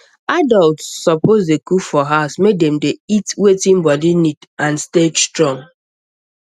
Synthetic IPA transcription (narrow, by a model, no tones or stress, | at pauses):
adɔltsːɔpozdekufɔɦaʊsmedɛ̃mdeitwetɪ̃nbɔdinitãnsted͡ʒstɹɔ̃ŋ